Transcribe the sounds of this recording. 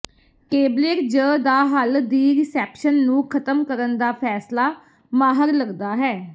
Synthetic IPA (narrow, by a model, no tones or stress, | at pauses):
keːblekd͡ʒəːd̪aːɦəld̪iːɾɪsɛːpʃənːũːkʰət̪əmkəɾənd̪aːpʰɛːslaː | maːɦəɾləɡd̪aːɦɛː